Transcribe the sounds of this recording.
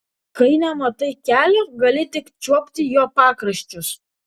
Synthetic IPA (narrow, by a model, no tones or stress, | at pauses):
kɐɪnɐmɐt̪ɐɪkʲæːlʲoɡɐlʲɪt̪ʲɪkt͡ʃʲuɔpʲt̪ʲɪjoːpɑːkɾɐʃʲt͡ʃʲʊs